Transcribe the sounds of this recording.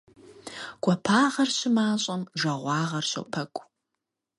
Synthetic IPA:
ɡ̥ʷɔpʰaːʁɐrɕɪmaːɕʼɐmʒɐʁʷɑːʁɐrɕo̰pʰɐkʷʼ

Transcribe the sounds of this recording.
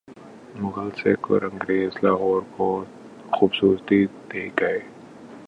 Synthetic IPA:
mʊɣəlseko̰ɾɐ̃ŋɡɾeːzlaːɦɔːɾko | xuːbsuːɾt̪id̪eːɡɐeː

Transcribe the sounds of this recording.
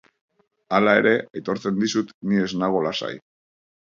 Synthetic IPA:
alae̞ɾe̞ʔajt̪o̞ɾt͡se̞nd̪isut̪nie̞znaɣ̞olasa̰j

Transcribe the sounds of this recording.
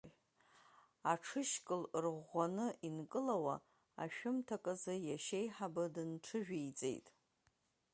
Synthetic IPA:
aʈ͡ʂʰɨʃkʼɨlrʁʷanɨʔinkʼɨlawa̰ | a̰ʃᶣʊmtʰakʼɨzɨjaʃejħabɨdɨnʈ͡ʂʰɨʒᶣijt͡sʼḛjtʼ

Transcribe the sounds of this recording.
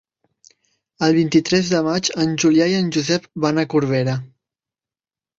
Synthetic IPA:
əlˠβ̞int̪it̪ɾɛzðəmat͡ʃənʲʒuljaiənʲʒuzɛp̚banəkuɾβ̞eɾə

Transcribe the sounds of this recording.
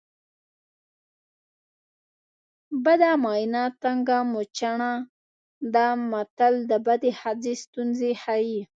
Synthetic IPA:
bad̪amɑjnat̪aŋɡamot͡ʃaɳa | d̪amat̪ald̪əbad̪ehad͡zest̪unzehaji

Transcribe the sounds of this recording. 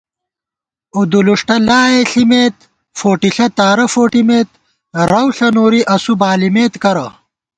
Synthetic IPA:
ud̪uluʂʈɐlaːeɬimeːt̪ | foːʈiɬɐt̪aːɾɐfoːʈimeːt̪̚ | ɾɐwɬɐnoːɾiʔɐsubaːlimeːt̪kɐɾɐ̰

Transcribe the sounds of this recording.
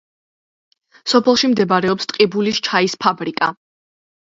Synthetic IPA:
sɔpʰɛlˠʃimd̪ɛbaɾɛɔpst̪ʼqʼibulist͡ʃʰaispʰabɾikʼa̰

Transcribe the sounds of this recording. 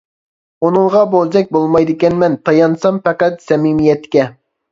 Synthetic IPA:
onɨŋˠʁɑbolˠd͡ʒɛk̚ʲbolˠmɑjd̪ɨkʲɛnmɛnt̪ʰɑjɑnsɑmpɛqæt̪sɛmɪmijɛt̪kʲɛ

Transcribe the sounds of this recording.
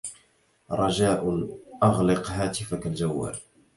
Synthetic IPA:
ɾˤɑd͡ʒaːʔʔɑɣlɪqɦaːt̪ɪfakald͡ʒawːa̰ːl

